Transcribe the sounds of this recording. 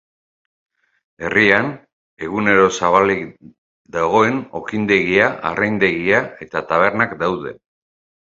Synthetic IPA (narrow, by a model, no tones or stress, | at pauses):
e̞rian | e̞ɣune̞ɾo̞saβ̞alik | d̪aɣ̞o̞e̞no̞kind̪e̞ɣiaʔːrʔajnd̪e̞ɣiae̞t̪at̪aβ̞e̞ɾnakd̪awðe̞̰